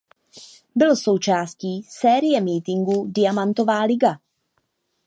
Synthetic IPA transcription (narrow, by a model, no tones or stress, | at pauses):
bɪlso̞wt͡ʃaːsciːsɛːɾɪjɛmiːt̪ɪŋɡudɪjamant̪o̞vaːlɪɡa